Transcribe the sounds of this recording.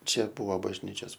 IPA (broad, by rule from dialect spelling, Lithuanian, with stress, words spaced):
ˈt͡ʃʲɛ ˈbuɔ bɐʒʲˈnʲiːt͡ʃʲoːs